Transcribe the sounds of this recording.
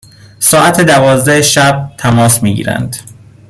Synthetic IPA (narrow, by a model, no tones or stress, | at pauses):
sɒːʔæt̪ʰed̪ævɒːzd̪æheʃæb̚t̪ʰæmɒːsmiːɟḭːɾæ̰nd̪̥